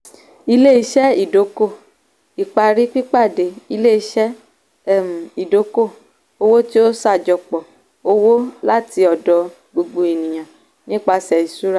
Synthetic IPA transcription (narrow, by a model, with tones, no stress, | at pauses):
i˧le˦˨i˧˦ʃɛ˦i˦˨do˨˦ko˦˨ | i˨k͡pa˧ɾi˦k͡pi˦k͡pa˦˨de˨˦i˧le˦i˧˦ʃɛ˦˨ | m̩˨i˨do˨˦ko˦˨ | o˧˦wo˦ti˦o˦sa˦˨d͡ʒɔ˧k͡pɔ˨ | o˦wo˦la˦ti˧ɔ˨dɔ˧ | ɡ͡bo˧ɡ͡bo˧e˨nĩ˨j̃ã˨ | nĩ˦k͡pa˧sɛ˨i˨su˦ɾa˦˨